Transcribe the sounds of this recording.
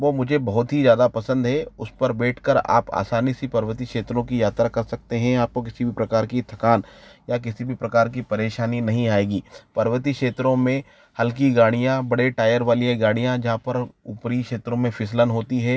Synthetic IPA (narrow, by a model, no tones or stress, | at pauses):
ʋoːmʊd͡ʒʱebɐɦʊt̪ɦizjaːd̪apɐsə̃nd̪ɦɛːʊspɐɾbɛːʈʰkɐɾa̰ːpa̰ːsaːnisipɐɾʋət̪ikʃeːt̪ɾõk̬ijaːt̪ɾakɐɾsɐk̚t̪eɦɛ̃aːp̚kok̬ɪsibʱipɾɐkaːɾkit̪ʰɐkaːnjakɪsibʱipɾɐkaːɾkipɐɾeːʃaːninɐɦĩaːeːɡiːpɐɾʋət̪̬ikʃeːt̪ɾõmẽ | hɐlk̬iɡaːɽ̃ijãbɐɽeʈaːjəɾʋaːliẽɡaːɽ̃ijãd͡ʒɐɦãpɐɾuːpɾikʃeːt̪ɾõmẽfʰɪslənɦoːt̪iɦɛː